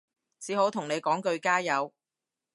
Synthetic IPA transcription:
t͡sʰiː˨˥ɦo˨˥wt̪ʰʊ˨˩ŋne˨˧jkɔː˨˥ŋkɵ˧ɥkaː˥jɐ˨˧w

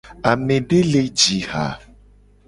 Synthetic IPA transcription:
a˨mẽ˨ɖe˦le˦d͡ʒi˨ha̰˨

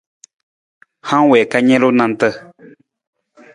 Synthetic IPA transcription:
hã˦wɛ˨ka˧ɲɛ̃˦lo˦nã˧n˦t̪ə˦˧

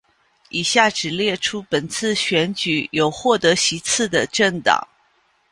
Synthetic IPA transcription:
i˨˩ɕja˥˩ʈ͡ʂɻ̩˨˩ljɛ˥˩ʈ͡ʂʰu˥pə˨˩nt͡sʰɹ̩˥˩ɕɥɛ˧˥nt͡ɕy˨˥jo˨˩ʊxwɔ˥˩t̪ɤ˧˥ɕi˧˥t͡sʰɹ̩˥˩d̪ə˩ʈ͡ʂə˥˩ŋt̪ɑ̰˨˩˦ŋ

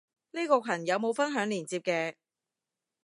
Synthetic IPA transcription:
niː˥kɔː˧kʷʰɐ˨˩njɐ˨˧wmo˨˧wfɐ˥nɦœː˨˥ŋliː˨˩nt͡siː˧p̚kɛː˧

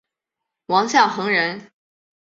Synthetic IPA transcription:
wɑ˧˥ŋɕjɑ˥˩ŋxɤ˧˥ŋɻə˧˥n

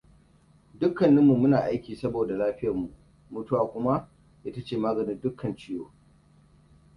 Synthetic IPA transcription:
dʊ˦kːɐ˨nːɐ˦mːu˨mʊ˦naː˨ʔa˦jkʲiː˨sɐ˦boː˨da˨laː˦ɸɪ˦jɐ˨rmu˨ʔ | mʊ˨tʊ˦waː˨kʷʊ˦ma˦ʔ | ʔɪ˦ta˦t͡ʃeː˨maː˦ɡɐ˨nɪ˦ndʊ˦kʰːɐ˨nt͡ʃɪ˦joː˨

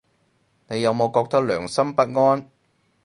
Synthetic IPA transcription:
ne˨˧jːɐ˨˧wmo˨˧wkɔː˧k̚t̪ɐ˥k̚lœː˨˩ŋsɐ˥mpɐ˥t̚ŋɔː˥n

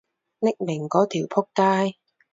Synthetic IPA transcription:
nɪ˥k̚mɪ˨˩ŋkɔː˨˥t̪ʰiː˨˩wpʰʊ˥k̚taː˥j

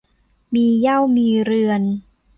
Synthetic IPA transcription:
miː˧ja˥˩wmiː˧ɾɯ˧ən

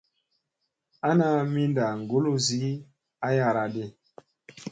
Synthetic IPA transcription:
a˦na˦mi˦nda˨ŋ˨ɡo˦lo˦zi˨˦ | a˦ja˨ɾa˨de˦˨

